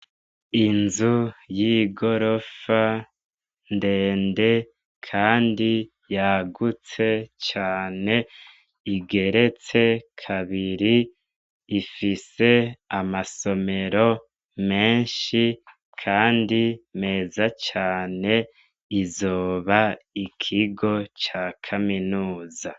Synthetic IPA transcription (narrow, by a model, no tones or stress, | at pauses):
inzujiːɡo̞ɾo̞fa | ndeːnde̞ | kʰaːndi | jaɡut͡se̞t͡ʃaːne̞ | iɡe̞ɾe̞t͡se̞kʰaβiɾiː | fise̞amaso̞me̞ɾo̞ | me̞ːnʃi | kʰaːndime̞ːzat͡ʃaːne̞ | izoːβaikʰiɡo̞t͡ʃakʰaminuːza